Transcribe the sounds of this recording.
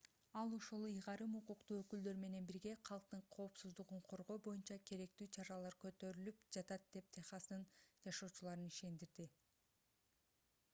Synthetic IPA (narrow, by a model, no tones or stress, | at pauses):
ɑlˠoʃulˠɯjʁɑɾɯmuquqt̪uːøkyld̪ø̞ɾme̞ne̞nbiɾɡe̞qʰɑlˠq̚t̪ɯɴqʰo̞ːpsuzd̪uʁuɴqʰo̞ɾʁo̞ːbo̞junt͡ʃɑkʰe̞ɾe̞k̚t̪yːt͡ʃʰɑɾɑlˠɑɾkø̞t̪ø̞ɾylypd͡ʒɑt̪ɑt̪̚d̪e̞p̚t̪ʰeχɑsɯnd͡ʒɑʃo̞ːt͡ʃulˠɑɾɯniʃe̞nd̪iɾd̪i